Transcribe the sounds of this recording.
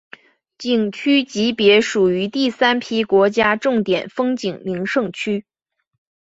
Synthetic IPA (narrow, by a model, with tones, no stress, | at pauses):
t͡ɕi˨˩ŋt͡ɕʰy˥t͡ɕi˧˥pjɛ˧˥ʂu˨˩y˧˥t̪i˥˩sa˥npʰi˥kwɔ˧˥t͡ɕja˥ʈ͡ʂʊ˥˩ŋt̪jɛ˨˩nfɤ˥ŋt͡ɕi˨˩ŋmi˧˥ŋʂɤ˥˧ŋt͡ɕʰy˥